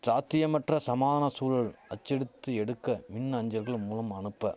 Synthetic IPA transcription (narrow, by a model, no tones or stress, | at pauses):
saːt̪ːɪjɐmɐʈrɐsɐmaːðɐnɐsuːɾɐɭɐt͡ʃːɛɽɯt̪ːɯɛɽɯkːɐmɪnːɐɲd͡ʒɐlɣɐɭmuːlɐmɐnɯpːɐ